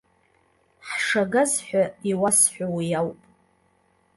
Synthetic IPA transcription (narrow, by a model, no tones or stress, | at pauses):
ħʂaɡazħʷᶣaiwasħʷᶣawijawpʼ